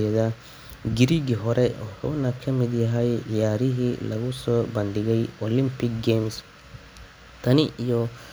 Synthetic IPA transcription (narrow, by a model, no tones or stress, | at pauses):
ɛɛðɐ | ɡɪɾiɡɪɦɔɾʔɛɔħɔːnɐkʰɐmɪd̪jɐɦɐjjaːɾɪɦilɐ̰ɣʊsɔːbɐnd̪ɪɣɛjɔlɪmpɪkɡɛms | t̪ʰɐnɪʔijɔ